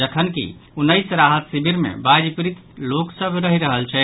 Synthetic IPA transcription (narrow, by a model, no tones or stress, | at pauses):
d͡ʒəkʰənkḭunːəjsɾaɦət̪sibʱiɾmḛbad͡ʒpɾit̪loksəbʱɾəɦiɾəɦəlt͡ʃʰɛ